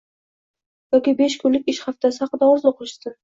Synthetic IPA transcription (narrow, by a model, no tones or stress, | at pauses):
jɒkʲibe̞ʃkʰʊlɪkʲɪʃhaft̪ʰasɪhɑqːɨd̪aɒzoqɾɪʃsɪ